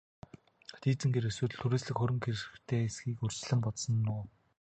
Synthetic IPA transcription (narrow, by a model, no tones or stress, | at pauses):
t̪ʰiːt͡sɘ̆ŋɡeɾeswɘːt̪̆ɮt̪ʰuɾeːsɮɘ̆kxɵɾʲɵ̆ŋkeɾ̆xt̪ʰeːesɡiːkɵr̥t͡ɕɮɘ̆mpɔt̪sɞ̆nːʊː